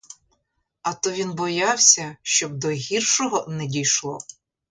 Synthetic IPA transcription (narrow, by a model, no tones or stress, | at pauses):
ɐt̪ɔʋʲinbɔjɑwsʲɐʃt͡ʃɔb̚d̪ɔɦʲirʃɔɦɔnɛdʲijʃlˠɔ